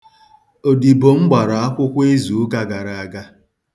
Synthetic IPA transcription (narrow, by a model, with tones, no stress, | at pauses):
o˨di˨bo˨ŋ͡m̩˦ɡ͡ba˨ɾa˨a˦kʷʊ˦kʷe˦zu˨˦ka˦ɡa˨ɾa˨a˨ɡa˦